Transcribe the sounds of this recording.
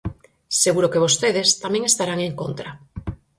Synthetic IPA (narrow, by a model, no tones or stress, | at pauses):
seɣuɾokeβ̞ost̪eðest̪amẽŋest̪aɾaŋeŋkont̪ɾa